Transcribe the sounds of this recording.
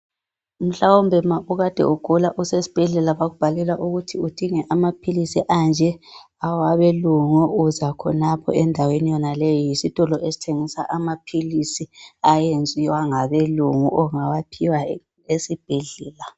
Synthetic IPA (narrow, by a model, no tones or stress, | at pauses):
um̩ɬawombʱɛmaʔuɣad̥ʱɛ̰uɡ̥ʱulaʔusesi̥b̥ʱɛɮɛlaβaɣub̥ʱalɛlaʔuɣutʰiud̥ʱiŋɛʔamapʰilisiʔand͡ʒʱɛ | awaβeluŋuuzakʰɔ̰napʰɔ̰ɛndʱawenijɔnalejijisitʼɔlɔʔesi̥tʰeŋisa̰ʔamapʰilisiajend͡zʱiwaŋaβeluŋuʔɔŋawapʰiwa | esib̥ʱɛɮɛːla